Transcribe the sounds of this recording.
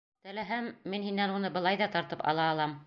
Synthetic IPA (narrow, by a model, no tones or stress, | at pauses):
t̪ɘ̆læɦæmːinhinːænunɤbɤ̆lˠɑjðɑt̪ɑɾt̪ɤpɑ̰lˠɑːlˠɑm